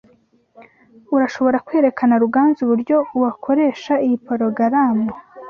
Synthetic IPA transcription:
uɾaʃo̞βo̞ɾakwe̞ːɾe̞kʰanaɾuɡaːnzuβuɾɟo̞uwakʰo̞ɾe̞ːʃaijipoɾoɡaɾaːmbo

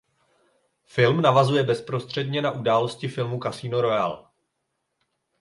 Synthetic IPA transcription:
fɪlmnavazujɛbɛspɾo̞st̪r̝̥ɛdɲɛnaʔudaːlo̞scɪfɪlmukasiːnoɾo̞ja̰l

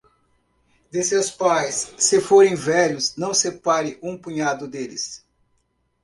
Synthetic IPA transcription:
d̪esewspajsːɪfoɾẽj̃vɛʎʊznɐ̃w̃sepaɾɪʔũpũɲad̪ʊd̪elɪ̰s

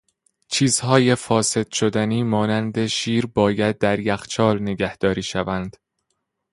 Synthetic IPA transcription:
t͡ʃʰiːz̥hɒːje̞fɒːse̞d̪̥ʃod̪æniːmɒːnænd̪e̞ʃiːɾbɒːjæd̪̚ːæɾjæxt͡ʃʰɒːlne̞ɡæhd̪̥ɒːɾiːʃævænd̪̥

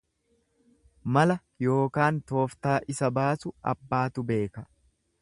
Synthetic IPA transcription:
mɐlɐ | jo̞ːkaːnt̪o̞ːft̪aːʔɪsɐbaːsʊʔɐ̰bːaːt̪ʊbe̞ːkɐ

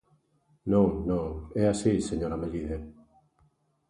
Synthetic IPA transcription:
nõŋnõŋɛasiseɲoɾameʎiðe

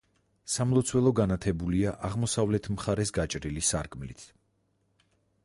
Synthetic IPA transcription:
samlˠɔt̪sʰwɛlˠɔɡanat̪ʰɛbuliaʔaʁmɔsavlɛt̪ʰmχaɾɛsɡat͡ʃʼɾilisaɾkʼmlit̪ʰ

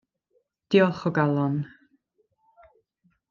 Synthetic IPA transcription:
d̪̥iɔlˠχɔɡalˠɔn

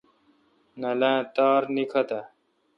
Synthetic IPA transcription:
nɐlãːt̪aːɾnikʰɐt̪a

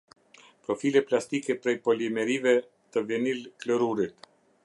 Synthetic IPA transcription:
pɾɔfilɛplast̪ikɛpɾɛjpɔlimɛɾivɛ | t̪əvɛnilkləɾuɾit̪

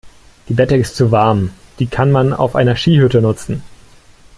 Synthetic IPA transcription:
d̥iːbɛtəɪstt͡suvaɐmd̥iːkʰanmana̰ʊfʔa̰ɪnɐʃiːhʏtənʊt͡sn̩

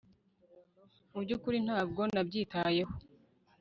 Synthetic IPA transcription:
ubɟukuɾin̥haːb̚ɡo̞nabɟiːtaje̞ho

